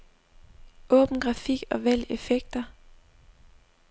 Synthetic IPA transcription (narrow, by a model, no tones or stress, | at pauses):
ʔɔ̽ːb̥n̩ɡ̥ʁɑ̈fiɡ̥ɒ̽ʋæl̰efeɡ̥̚d̥ɐ